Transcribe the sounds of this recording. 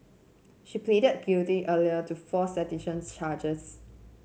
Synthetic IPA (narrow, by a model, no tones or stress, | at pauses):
ʃiplidəd̚ɡiltiʔəliətufɔsɛtiʃə̃nst͡ʃad͡ʒəs